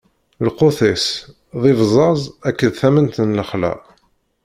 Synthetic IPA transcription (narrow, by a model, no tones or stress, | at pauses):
lqoθes | ðˤɪvzˤɑzˤækːəðθæmənt̪ənləχlæ̰